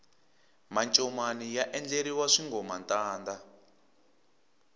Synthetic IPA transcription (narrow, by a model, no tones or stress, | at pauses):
mant͡ʃʼɔmanijaʔɛnd͡ɮeɾiwaʂiŋɡɔmantaːnda